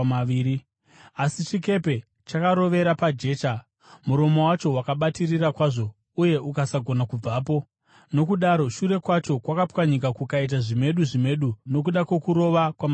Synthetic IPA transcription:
aiːɾi | asit͡ʃike̞pe̞ | t͡ʃakaɾo̞ʋe̞ɾapad͡ʒe̞ːt͡ʃa | muɾo̞mo̞wat͡ʃo̞ɦwakaɓatirirakwaʐo̞ | uje̞ʔukasaɡʱo̞nakub͡vaːp̬o̞ | no̞kuɗaɾo̞ʃuɾe̞kwat͡ʃo̞kwakapkwaɲik̬akukait̬aʐime̞ɗuʐime̞ɗuno̞k̬uɗakwe̞kuɾo̞ʋakwama

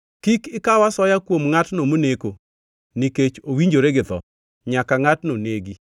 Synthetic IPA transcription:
kikɪkawasɔjakwomŋatnomoneko | niket͡ʃowiɲd͡ʒoɾeɡɪðɔ̰ | ɲakaŋatnoneɡi

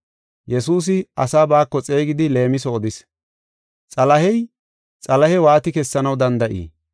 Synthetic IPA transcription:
jɛsuːs̬ɪɐsaːbaːkːɔt͡sʼe̞ːɡɪd̪ɪle̞ːmɪs̬ɔːd̪ɪs | t͡sʼɐlɐhɛj | t͡sʼɐlɐhɛwaːt̪ɪkɛsːɐnɐwd̪ɐnd̪ɐʔḭː

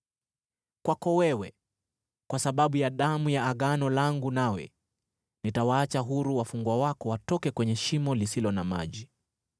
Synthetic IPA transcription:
kwakɔwɛwɛ | kwasaɓaɓujaɗamujaːɠanɔlaŋɡunawɛ̰ | nitawaːt͡ʃaɦuɾuwafuŋɡwawakɔwatɔkɛkwɛɲɛʃimɔlisilɔnama̰ʄi

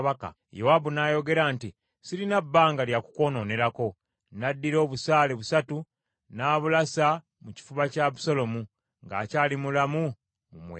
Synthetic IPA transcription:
βaka̰ | jewabunajo̞ɡe̞ɾaːnti | siɾinabːaːŋɡaljakuko̞no̞ne̞ɾako̞ | nadːiɾo̞ːβusaːleβusatu | naːβulasa | muci̥fuβacaβusolo̞mu | ŋɡa̰ːcaːlimulamu | mumwḛ

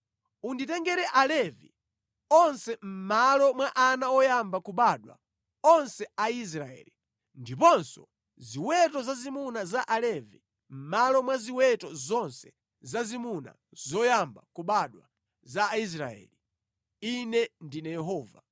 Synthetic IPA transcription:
unditɛŋɡɛɾɛʔalɛvḭ | ɔnsɛm̩malɔmwaʔanaɔjambakuɓaɗwa̰ | ɔnsɛais̬ɾaɛ̰li | ndipɔnsɔ̰ | ziwɛtɔzazimunazaʔalɛvi | m̩malɔmwaziwɛtɔzɔnsɛ̥ | zazimuna̰ | zɔjambakuɓaɗwa̰ | zais̬ɾa̰ɛ̰ːli | inɛndinɛjɛɦɔːva

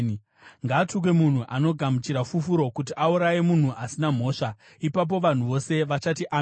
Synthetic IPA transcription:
ŋɡaːtuk̬we̞mun̤uʔano̞ɡʱamut͡ʃiɾafufuɾo̞kut̬iʔauɾajemun̤uʔasinam̤o̞ːʂa | ipap̬o̞ʋan̤uʋo̞se̞ʋat͡ʃatiʔa

